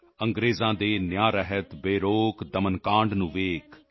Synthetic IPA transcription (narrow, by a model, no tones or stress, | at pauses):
əŋɡɾeːzãːd̪eːnjaːɾəɦət̪beːɾoːkd̪əmənkãːɳɖnũːʋeːkʰ